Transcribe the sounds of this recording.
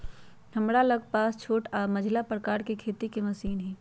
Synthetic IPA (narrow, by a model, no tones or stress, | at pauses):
həmɾaləɡ̚paːst͡ʃʰoːʈaːɾməd͡ʒʱlapɾəkaːɾkekʰeːt̪ikemɐsiːnɦɛː